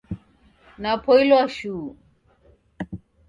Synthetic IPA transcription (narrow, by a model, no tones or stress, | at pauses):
napʰoiloaɕu